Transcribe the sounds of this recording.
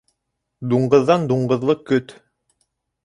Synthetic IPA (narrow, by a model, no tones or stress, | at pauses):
d̪uɴɢɤ̆ðːɑnd̪uɴɢɤ̆ðlˠɤkɵt̪